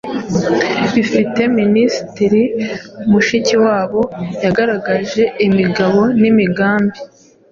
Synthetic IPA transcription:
βifite̞ministiɾimuʃiciwaːβo̞jaɡaɾaɡaʒe̞imiɡaβo̞nimiɡaːmbi

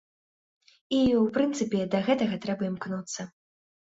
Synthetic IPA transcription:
iwpɾɨnt̪sɨpʲɛd̪ɐɣɛt̪ɐɣɐt̪ɾɛbɐimknut̪sːɐ

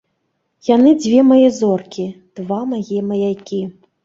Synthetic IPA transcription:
janɨd͡zʲvʲɛmajɛzɔrkʲid̪̥vamajɛmɐjajkʲi

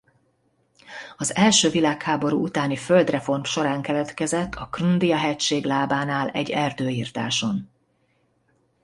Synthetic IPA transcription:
ɒzɛlʃøːvilaːkhaːbo̞ɾṵːʔut̪aːniføld̪rɛfo̞rmʃo̞ɾaːŋkɛlɛt̪kɛzɛt̪ːɒkrund̪ijɒɦɛcʃeːɡlaːbaːnaːlɛ̰ɟːɛrd̪øːiːrt̪a̰ːʃo̞n

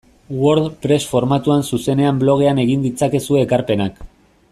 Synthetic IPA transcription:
wo̞ɾðpɾe̞sfo̞ɾmat̪uansuse̞ne̞amblo̞ɣ̞e̞ane̞ɣ̞ind̪it͡sake̞sueekaɾpe̞nak

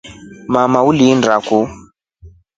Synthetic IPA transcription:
mamaulindraku

